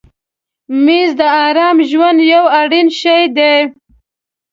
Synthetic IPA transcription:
mizd̪əɑɾɑmʒwand̪jawaɽinʃajd̪e

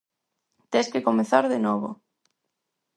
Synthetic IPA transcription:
t̪eskekomeθaɾðenɔβo̰

